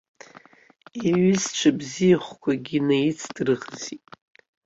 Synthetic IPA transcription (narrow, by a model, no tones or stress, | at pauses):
iɥizt͡ʃʷʰabzijaχʷkʷʰaɡʲinajit͡sʰd̥rɨʁzitʼ